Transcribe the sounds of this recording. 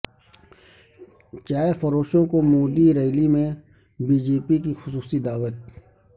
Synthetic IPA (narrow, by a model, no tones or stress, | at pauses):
t͡ʃaːefɐɾoːʃõkomoːd̪iɾɐɪlimẽ | biːd͡ʒeːpikixʊsuːsid̪aːʋət̪̚